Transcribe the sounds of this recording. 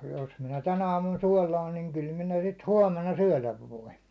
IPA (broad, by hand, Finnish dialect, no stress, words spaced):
jos minæ tæn ɑːmun suɒlɑːn niːŋ kyl minæ sit huɒmenɑ syæ̹læʋ ʋoin̞